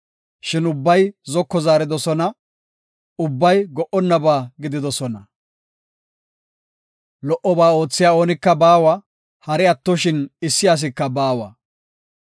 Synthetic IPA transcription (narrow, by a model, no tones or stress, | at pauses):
ʃɪnʊbːɐjzɔkːɔzaːɾɪd̪ɔsɔnɐ | ʊbːɐjɡɔʔɔnːɐbaːɡɪd̪ɪd̪ɔsɔnɐ | lɔʔɔbaːo̞ːt͡sːɪjaːo̞ːnɪkːɐbaːwɐ | hɐɾɛɐt̪ːɔʃɪnɪsːɪjaːs̬ɪkːɐbaːwɐ̰